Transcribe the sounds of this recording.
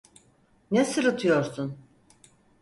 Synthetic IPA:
nesɯɾɯt̪ʰɯjo̞ɾsun

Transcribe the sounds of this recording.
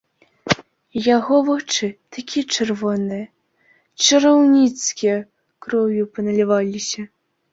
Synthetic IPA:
jaɣɔvɔt͡ʂɨt̪akʲʰit͡ʂɛrvɔnɨjɐ | t͡ʂɨɾawnʲit̪skʲijɐ | kɾɔvʲjupɐnɐlʲivalʲisʲɐ

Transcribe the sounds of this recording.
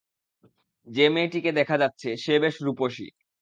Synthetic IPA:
d͡ʑemeʈiked̪ɛkʰad͡ʑatːɕʰeʃebeʃɾupoʃḭ

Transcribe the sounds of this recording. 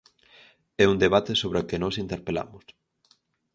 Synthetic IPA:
ɛund̪eβat̪esoβɾokɪnɔsint̪eɾpela̰mʊs

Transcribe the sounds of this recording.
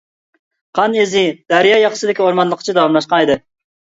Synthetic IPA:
qʰɑnezɪd̪̥æɾjɑːjɑqə̥sɨɪd̪ɪkʲioɾmɑnlˠəqʰə̥t͡ʃʰid̪ɑwɑmlˠɑʃqɑned̪ɨ

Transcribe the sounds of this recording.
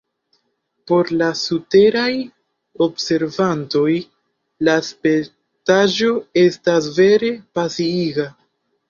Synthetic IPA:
po̞ɾlasute̞ɾaj | o̞bse̞ɾvanto̞j | laspe | taʒo̞e̞stasve̞ɾe̞pasiiɡa

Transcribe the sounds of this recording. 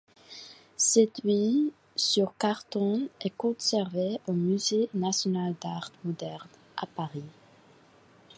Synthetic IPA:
sɛd̪ɥi | syʁkaʁt̪ɔ̃ɛkɔ̃sɛʁveomyzenasjɔnald̪aʁt̪mɔd̪ɛʁn | ʔa̰paʁi

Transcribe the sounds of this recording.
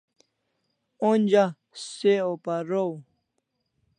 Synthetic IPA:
onʲd͡ʑa | seopaɾow

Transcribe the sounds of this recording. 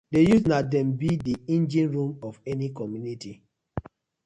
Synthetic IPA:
dejusnadɛ̃mbidiĩnd͡ʒĩnɹũmɔvɛnikɔmjuniti

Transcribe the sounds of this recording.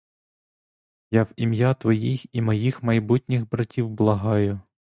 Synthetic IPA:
jɑwimjɑt̪ʋɔjiximɔjixmɐjbutʲnʲɪxbɾɐtʲiwblˠɐɦɑjʊ

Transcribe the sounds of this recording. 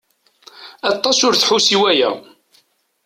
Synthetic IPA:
ɑt̪ˤːɑsʊɾθħusiwæjæ̰

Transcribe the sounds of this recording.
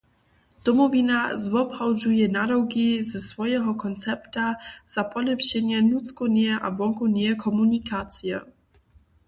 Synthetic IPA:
d̪̥ɔmɔvinazvɔbhawʒujɛnadɔwɡizɛsvɔjɛɦɔkɔnt̪t͡sɛpt̪az̥apɔlɛpɕɛɲɛnut̪t͡s̪kɔnɛʔavɔŋkɔnɛkʰɔmunikat͡sijɛ̰

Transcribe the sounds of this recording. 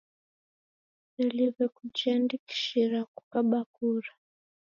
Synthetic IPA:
aliβɛkut͡ʃiandiki̥ʃiɾakukaɓakuɾa

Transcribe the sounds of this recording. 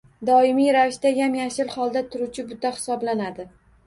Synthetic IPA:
d̪ɒɪmijɾavɪʃt̪ajamjaʃɪlhɒlˠd̪at̪ʰʊɾut͡ʃʰɪbʊt̪ahɪ̥sɒblanad̪ɪ

